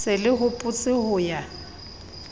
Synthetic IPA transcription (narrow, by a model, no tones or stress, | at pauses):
sɪlɪɦʊpʼʊt͡sʼɪhʊja